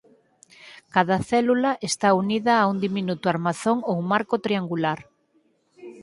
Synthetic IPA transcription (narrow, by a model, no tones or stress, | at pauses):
kaðɐθɛlulɐʔest̪auniðɐːund̪iminut̪uaɾmaθoŋowmaɾkot̪ɾiaŋɡulaɾ